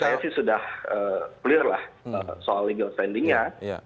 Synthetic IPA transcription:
kajasɪhsudahəːkulɪrla̰həsoalːiɡəlst̪ɛndiŋɲa

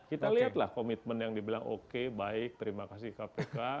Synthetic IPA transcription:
kit̪aliat̪lahkomit̪̚mənjaŋdibilaŋʔo̰kebaɪk̚t̪əɾimakas̬ihkapeka

